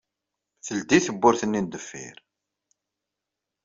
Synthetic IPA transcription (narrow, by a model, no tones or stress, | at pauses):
θəld̪iθəbːʊɾθənːind̪əfːḭɾ